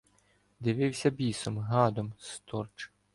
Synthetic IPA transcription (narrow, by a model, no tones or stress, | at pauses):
d̪ɪʋɪwsʲɐbʲisɔmɦɑd̪ɔmst̪ɔrt͡ʃ